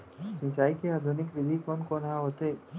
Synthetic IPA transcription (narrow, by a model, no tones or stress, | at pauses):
sɪ̃t͡ʃaːikeaːd̪ʱʊnɪkʋɪd̪ʱikɔːnkoːnɦaɦoːt̪eː